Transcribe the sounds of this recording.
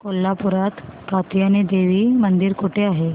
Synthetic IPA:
kolːapuɾat̪kat̪ijaned̪eʋiːmənd̪iɾkoʈeaɦe

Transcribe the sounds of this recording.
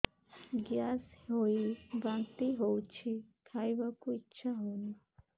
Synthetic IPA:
ɡjaːshoibant̪iɦowt͡ʃʰikʰajbakuitːʃʰaɦoni

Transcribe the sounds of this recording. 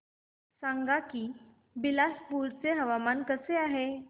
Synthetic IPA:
sãŋɡakiː | bilaspuɾt͡seɦəʋamankəseaɦe

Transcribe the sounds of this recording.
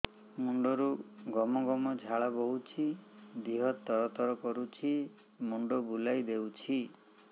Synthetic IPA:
muɳɖɔɾuɡɔmɔɡɔmɔd͡ʒʱaɭabɔɦut͡ʃʰid̪iɦɔt̪ːɔɾɔt̪ɔɾɔkɔɾut͡ʃʰi | muɳɖɔbulajd̪ewt͡ʃʰi

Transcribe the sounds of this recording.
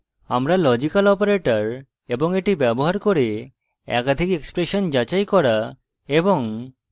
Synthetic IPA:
amɾalɔd͡ʑikalɔpaɾeʈaɾ | eboŋeʈibɛboɦaɾkoɾe | ɛ̰kad̪ʱikekspɾeʃond͡ʑat͡ɕajkɔɾa | eboŋ

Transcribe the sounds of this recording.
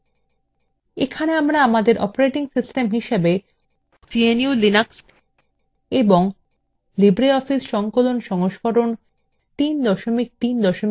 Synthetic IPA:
ekʰaneamɾaamad̪eɾʔɔ̰poɾeʈiŋsisʈemɦiʃebe | t͡ɕieniulinaks | eboŋ | libɾeɔfisʃɔŋkolonʃɔŋoʃkoɾon | t̪ind̪ɔʃomik̚t̪ind̪ɔʃom

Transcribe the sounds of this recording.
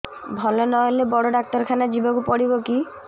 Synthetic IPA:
bʱɔlɔnɔɦelebɔɽɔɖak̚ʈɔɾkʰanad͡ʒibɔkupɔɽibɔki

